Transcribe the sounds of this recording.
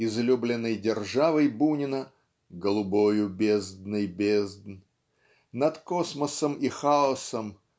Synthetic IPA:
ɪzlʲublʲɪnːəjdʲɪrʐavəjbunʲɪnə | ɡəlˠʊbojʊbʲezd̪nɨjbʲezd̪n | nɐt̪kosməsəmixaɔsəm

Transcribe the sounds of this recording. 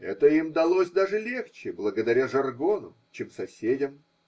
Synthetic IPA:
ɛ̰t̪əimd̪ɐlˠosʲd̪aʐɨlʲe̞xt͡ɕɪblˠəɡəd̪ɐɾʲaʐɐrɡo̞nʊ̰ | t͡ɕemsɐsʲedʲəm

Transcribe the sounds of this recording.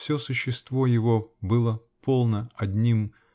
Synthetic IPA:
fsʲɵsʊɕːɪst̪vo̞jɪvo̞bɨlˠə | pʰo̞lˠnəɐdʲnʲim

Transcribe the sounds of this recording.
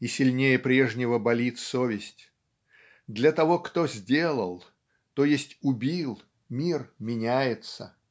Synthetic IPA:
isʲɪlʲnʲejəpɾʲe̞ʐnʲɪvəbɐlʲit̪sovʲɪsʲtʲ | d̪lʲɐt̪ɐvo̞kt̪ozʲdʲe̞lˠəlˠ | t̪ojesʲtʲʊbʲilˠ | mʲirmʲɪnʲæjɪt̪sə̰

